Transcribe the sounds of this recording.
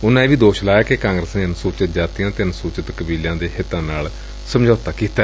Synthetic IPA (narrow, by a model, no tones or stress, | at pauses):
ʊnãːẽːʋiːd̪oːʃlaːjaːkekãːŋɡɾəsneːənsuːt͡ʃət̪̚d͡ʒaːt̪ijãːt̪eːənsuːt͡ʃət̪kəbiːlãːd̪eːhɪt̪ːãːnaːl | səmd͡ʒʱɔːt̪aːkiːt̪a